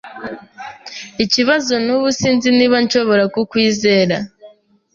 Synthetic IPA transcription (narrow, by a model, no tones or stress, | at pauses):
iciβazo̞nuβusiːnziniβanʃo̞βo̞ɾakukwiːze̞ːɾa